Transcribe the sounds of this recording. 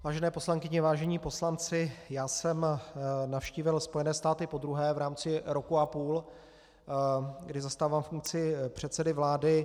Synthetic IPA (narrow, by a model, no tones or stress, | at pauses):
vaːʒɛnɛːpo̞slaŋkɪɲɪvaːʒɛɲiːpo̞slant͡sɪjaːsɛmnafʃciːvɪlspojɛnɛːst̪aːt̪ɪpo̞d̪ɾuɦɛːvɾaːmt͡sɪɾo̞kuʔapuːl | ɡdɪzast̪aːvaːmfuŋk̚t͡sɪpr̝̥ɛt̪sɛdɪvlaːdɪ